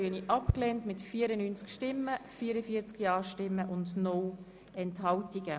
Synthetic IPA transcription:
yəniʔɑpkleːntmɪtfiːəɾənyːnt͡skʃtɪmːəfiːɾəfiːət͡skjɑːʃtɪmːəʔʊndnɔl | ɛnthɑltiɡ̥ə

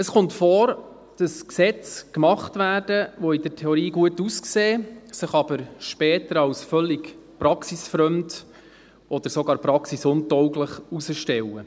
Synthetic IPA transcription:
əsχɔmtfɔːɾ | d̥ɑsksɛt͡skmɑχtvæːrd̥əʋɔid̥əɾtʰeɔɾiːɡuətuskseːsəχɑbəɾʃpɛːtəɾɑwsfœlːikpɾɑksisfɾœmd | ɔd̥̪əɾsɔɡɑːɾpɾɑksisʊntɔwɡləχusəʃtɛwːə

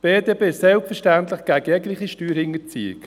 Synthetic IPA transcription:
b̥eːdeːbeːsɛlpfəɾʃtænt̪lɪχɡ̥æɡəjɛɡlɪχiʃtyːɾhɪŋət͡sḭːɪ̰k

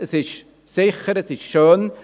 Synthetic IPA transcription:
əsɪʃ | sɪxəɾəsɪʃʃøːn

